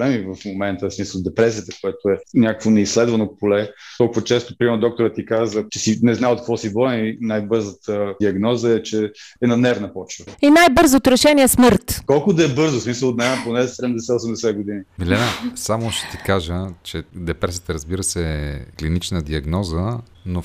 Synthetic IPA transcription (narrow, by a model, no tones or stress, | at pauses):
blɛmivɐfmomɛnt̪əsmisəlˠd̪ɛpɾɛsiət̪əkoɛt̪oɛnʲakə̥kvonɛislɛd̪vɐnopolɛt̪ɔlˠkʊvət͡ʃɛst̪ʊpɾimɛɾnd̪ɔk̚t̪oɾət̪ːikazət͡ʃɛsinɛznaot̪̚kvɔsibɔɛinajbɤɾzət̪əd̪iɐɡnɔzəɛt͡ʃɛ | ɛnɐnɛvnəpɔt͡ʃvəinajbɤɾzot̪oɾɛʃɛniɛsmɤɾt̪kɔlˠkʊd̪ɐɛbɤɾzʊsmisəlˠt̪nɛnponɛsɛd̪ɛmd̪ɛsɛosɛmd̪ɛsɛɡod̪inimilɛnəsamoʃɛ̥t̪ikaʒət͡ʃɛd̪ɛpɾɛsijət̪əɾəzbiɾəsɛɛklinit͡ʃnəd̪iɐɡnɔzə | no